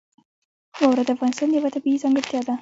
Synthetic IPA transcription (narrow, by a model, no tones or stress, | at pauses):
xowɾad̪əafɣɑnɪst̪ɑnjawat̪abiizɑŋɡəɾt̪jɑd̪a